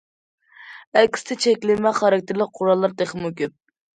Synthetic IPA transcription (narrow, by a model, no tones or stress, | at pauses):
ɛkʲʰːi̥sɪ̥t̪ʰɪt͡ʃʰɛkʲlɪmɛχɑɾɑk̚ʲt̪ʰɪɾlɪk̚ʲqʰʊɾɑlˠːɑɾt̪eχəmukʲyp̚